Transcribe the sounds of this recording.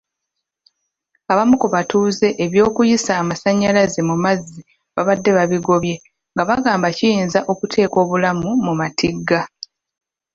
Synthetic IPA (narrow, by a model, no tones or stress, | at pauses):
aβamukoβatuːze̞ʔeβjo̞ːkujisaːmasaɲːalazemumazːi | βaβadːe̞βaβiɡo̞βje̞ | ŋɡaβaɡaːmbacijiːnzaʔo̞kutʰe̞ːko̞ːβulamumumatʰiɡːa